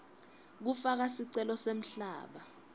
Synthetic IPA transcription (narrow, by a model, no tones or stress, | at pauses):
k̬ufak̬asiǀɛlɔsem̩ɬaːɓa